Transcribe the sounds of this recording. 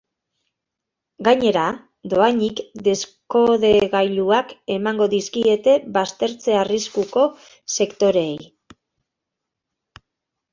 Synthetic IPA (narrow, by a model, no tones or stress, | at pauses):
ɡaɲe̞ɾa | d̪o̞aɲikd̪e̞sko̞ðe̞ɣajluake̞maŋɡo̞ðiskie̞t̪e̞βast̪e̞ɾt͡se̞ariskuko̞ | se̞kt̪o̞ɾe̞j